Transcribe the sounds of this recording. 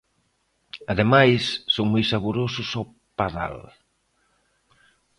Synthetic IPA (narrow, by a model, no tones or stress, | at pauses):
aðemajsːoŋmojsaβuɾosʊso | paða̰l